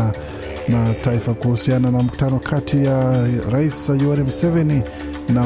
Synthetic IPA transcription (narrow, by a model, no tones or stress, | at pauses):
nataifakuhusiananam̩ku̥tanɔkʰatʰijaɾaisajuaɾimusɛvɛni | na